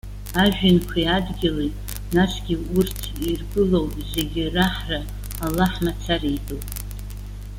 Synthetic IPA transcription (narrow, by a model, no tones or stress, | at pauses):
aʒᶣɪnkʷʰiadɡʲɪletʼ | nasɡʲiurtʰirɡɨlowze̞ɡʲɪraħraː | lːaħmat͡sʰarijdʼowpʼ